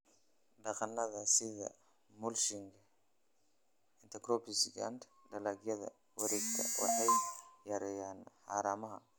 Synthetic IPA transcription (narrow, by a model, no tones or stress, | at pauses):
ɖɑqɑnːɐðɐsɪðɐ̰ | mʊlʃɪŋkʰɐ | ɪnt̪ʰɐkɾɔpisɡa̰nd̪ | dɐlaɡjɐðɐ̰ | wɐɾiːɡt̪ʰɐ̰wɑ̰ħɑjjɐɾɛjaːnħɑ̰ːɾaːmɐɦɐ̰